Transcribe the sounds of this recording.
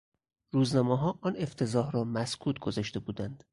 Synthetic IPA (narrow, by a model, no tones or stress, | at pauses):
ɾuːznɒːmɒɦɒːʔɒːne̞ft̪ʰe̞zɒːhɾɒːmæskʰuːt̪̚ʰɡozɒʃt̪e̞buːd̪ænd̪̥